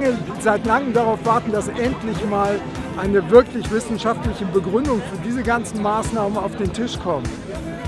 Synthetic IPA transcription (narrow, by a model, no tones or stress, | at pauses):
əzaɪtlaŋəmdaʁaʊfv̥aɐtn̩d̥asʔɛntlɪçmaːl | ʔaɪnəvɪɐklɪçv̥ɪsn̩ʃaftlɪçəbəɡʁʏndʊŋfyːɐdiːzəɡant͡sn̩maːsnaːmənaʊfd̥eːntʰɪʃkʰɔmt